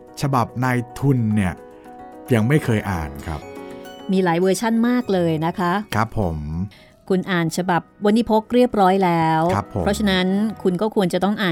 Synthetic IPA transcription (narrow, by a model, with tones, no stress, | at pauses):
t͡ɕʰa˧ba˨˩p̚naː˧jt̪ʰu˧nːi˥˩ɐ | ja˧ŋma˥˩jkʰɤː˧jʔa̰ː˨˩nkʰɾa̰˦˥p̚miː˧laː˩˦jwɤː˧t͡ɕʰa˥˩nmaː˥˩k̚lɤː˧jna˦˥kʰa˦˥ʔkʰɾa˦˥pʰːo˩˦m | kʰu˧nʔaː˨˩nt͡ɕʰa˧ba˨˩p̚wa˧nːi˦˥pʰo˦˥k̚ɾi˥˩əp̚ɾɔː˦˥jlɛː˦˥wa˦˥pʰːo˨˦ɾɔ˦˥t͡ɕʰa˧na˦˥nkʰu˧nkɔː˥˩kʰu˧ənt͡ɕa˨˩t̪ɔ˥˩ŋʔaː˨˩